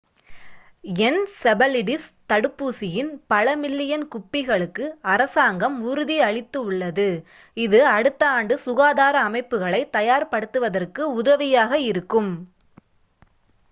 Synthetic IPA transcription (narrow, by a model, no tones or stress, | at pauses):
ɛnsɛbɐlɪɽɪst̪ɐɽɯpːuːsɪjɪnpɐɭɐmɪlːɪjɐnkʊpːɪɣɐɭɯkːɯɐɾɐsaːŋɡɐmʊɾɯðiɐɭɪt̪ːɯʊɭːɐðɯ | ɪðɯɐɽɯt̪ːɐaːɳɖɯsʊɣaːðaːɾɐːmɐɪpːɯɣɐɭɐɪt̪ɐjaːɾpɐɽɯt̪ːɯʋɐðɐrkɯʊðɐʋɪjaːɣɐɪɾɯkːɯm